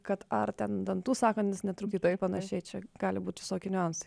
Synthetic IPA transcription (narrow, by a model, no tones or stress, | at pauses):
kɐt̪ɐrt̪ʲɛnd̪ɐnt̪uːsɑːkɐnʲt̪ʲnʲɪsnʲɛt̪ɾuːkt̪ʲiːt̪oːjɛpɐnɐʃʲɛɪt͡ʃʲɛɡ̥ɑːlʲɪbuːt̪ʲʋʲɪsoːkʲɪnʲʊɐnsɐ̥